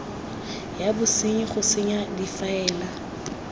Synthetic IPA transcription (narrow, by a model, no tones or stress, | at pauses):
jabʊsɪɲiχʊsɪɲadifaɛːla